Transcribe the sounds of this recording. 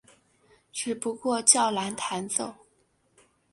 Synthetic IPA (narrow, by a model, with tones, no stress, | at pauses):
ʈ͡ʂɻ̩˥˩pu˧˥kwɔ˥˧t͡ɕjɑ˥˩ʊla˧˥nt̪ʰa˧˥nt͡so˥˩ʊ